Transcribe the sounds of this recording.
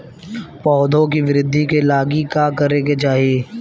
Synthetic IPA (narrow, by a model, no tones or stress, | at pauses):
pɔːd̪ʱõkiʋɪɾɪd̪ʱːikelaːɡikakɐɾeket͡ʃaːɦieː